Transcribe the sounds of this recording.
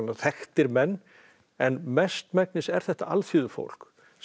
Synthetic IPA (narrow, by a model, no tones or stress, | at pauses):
naθɛxt̪ɪɾmɛnː | ɛnmɛst̪mɛknɪsɛɾ̥θɛht̪aa̰lθjʏːðʏfo̰wl̥k